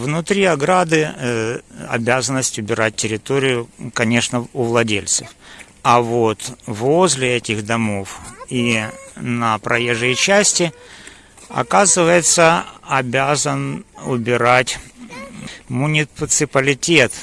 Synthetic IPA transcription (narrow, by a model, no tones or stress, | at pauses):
vnʊt̪ɾʲiɐɡɾad̪ɨ | ɐ̰bʲæzənəsʲtʲʊbʲɪɾat̚ʲtʲːɪɾʲɪt̪o̞ɾʲɪjʊkɐnʲe̞ʂnəʊvlˠɐdʲelʲt̪sɨf | ɐvot̪vozʲlʲɪɛtʲɪxd̪ɐmo̞finəpɾɐjeʐɨjət͡ɕæsʲtʲɪ | ɐ̰kazɨvəjɪt̪səɐbʲazənʊbʲɪɾatʲ | mʊnʲɪt̪sɨpəlʲɪtʲe̞t̪